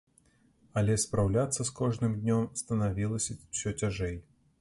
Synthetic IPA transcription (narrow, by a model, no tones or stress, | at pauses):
ɐlʲɛspɾawlʲat̪sːɐskɔʐnɨmd̪ʲnʲɔmst̪ɐnavʲilˠɐsʲɐsʲɔt͡sʲaʐɛj